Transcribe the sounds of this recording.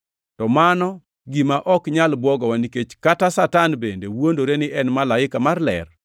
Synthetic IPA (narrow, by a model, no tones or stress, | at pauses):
tɔmanɔ | ɡimaʔɔkɲalbwɔɡɔwaniket͡ʃkatasatanbendḛwondoɾenɪʔɛnmalaɪkamarlɛ̰r